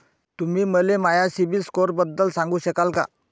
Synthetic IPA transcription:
t̪umiːməlemajasibiskoɾbəd̪ːəlsãŋɡuːɕəkalka̰

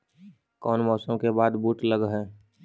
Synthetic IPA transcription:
kɔːnmɔːsəmkebaːd̪buːʈləɡɦɛː

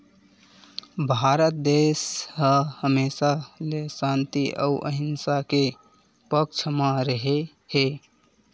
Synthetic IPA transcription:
bʱaɾət̪̚d̪eːsɦəhəmeːsalesant̪iʔə̰uʔə̰ɦɪnsake | pək̚t͡ʃʰəmaɾəɦe | he

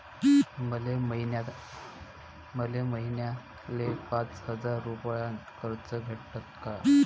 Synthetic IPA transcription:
məleəɦinja | məleməɦinja | lepat͡shəd͡zaɾːupjãkəɾt͡səɡʱeʈʈət̪ka

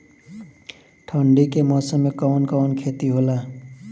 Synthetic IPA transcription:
ʈʰʌɳɖikemʌsʌmekɔnkɔnkʰet̪iɦola

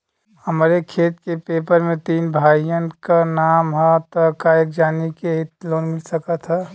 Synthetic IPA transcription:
həmɾekʰeːt̪kepepəɾmẽt̪iːnbʱaijənkanamɦɛt̪əkaek̚d͡ʒaːnikeɦit̪loːnmɪlsəkət̪ʰɦɛ

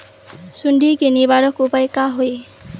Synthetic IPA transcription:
sunɖʱikenibaɽʌkupajkaɦoj

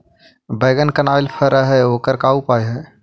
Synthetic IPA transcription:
bəːɡənkənaːɪlpʰəɾaɦɛoːkəɾkaːupaːeɦɛ̃ː

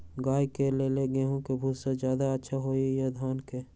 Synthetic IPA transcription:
ɡaːjkeleleɡeːɦõkebʱuːsed͡ʒjaːd̪aətːʃʰaɦoːijad̪ʱaːnke

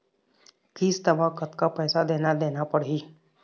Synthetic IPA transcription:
kiːst̪əbakət̪kapɛːsad̪eːnad̪eːnapəɽɦiː

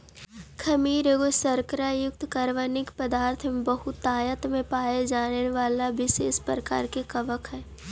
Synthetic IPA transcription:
kʰɐmiːɾeɡosəɾkəɾajʊk̚t̪kəɾʋənɪkpəd̪aːɾt̪ʰmẽbɐɦʊt̪ːaːjət̪ʰmẽpaːjed͡ʒaːneʋaːlaʋɪseːspɾɾəka̰ːɾkekɐʋəkʰɦɛː

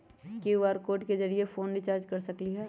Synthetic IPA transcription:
keʋaːɾkoːʈkezɐɾiefʰoːnɾit͡ʃaːɾd͡ʒkɐɾsɐkliɦɛː

